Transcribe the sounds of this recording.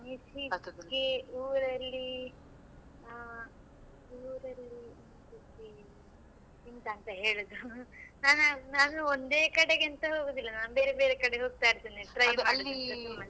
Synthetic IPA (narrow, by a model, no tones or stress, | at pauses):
nisiɡeuːɾɐlːi | uːɾɐlːinsisi | int̪ɐːnt̪ɐɦe̞ːɭud̪unaːnnaːnuond̪eːkɐɽeɡent̪ɐɦoːɡod̪ilːɐnaːnubeːɾebe̞ːɾekɐɽeɦo̞ːɡ̚t̪aːjiɾt̪iːniʈɾɐjmalːiɐumːɐn